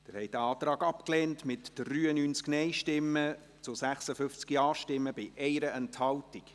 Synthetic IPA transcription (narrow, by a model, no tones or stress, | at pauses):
d̥ɪɾhɛɪd̥əɑːt̪rɑːɡɑpklɛːntmɪtd̥ryːənyːnt͡sknɛɪʃtɪmːə | t͡sʊsæχsəfʏft͡skiɑːʃtɪmːəbɪʔɛɪɾəɛnthɑltik